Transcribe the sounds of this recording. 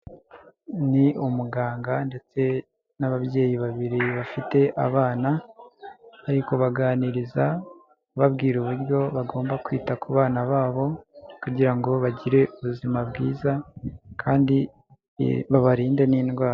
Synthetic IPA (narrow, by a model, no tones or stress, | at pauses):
niʔumuɡaːŋɡande̞t͡se̞ | naβabje̞ːjiβaβiɾiβafite̞ʔa̰βaːnaː | ɾiko̞βaɡaːniɾiza | βabɡiːɾuβuɾjo̞βaɡo̞ːmbakwiːtakuβaːnaβaːβo̞kuɟiɾaŋɡo̞βaɟiɾe̞uβuzimabɡiːzakʰaːndi | βaβaɾiːnde̞niːnɡwaːɾa